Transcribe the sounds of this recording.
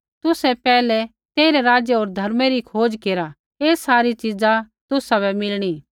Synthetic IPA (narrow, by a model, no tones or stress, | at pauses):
t̪ʊsɛpɛːlɛ | t̪eːɾɛɾaːd͡ʒjeoːɾd̪ʱɐɾmɛɾikʰoːd͡ʒkeːɾa | eːsaːɾit͡ʃid͡za | t̪ʊsabɛmɪlɽ̃i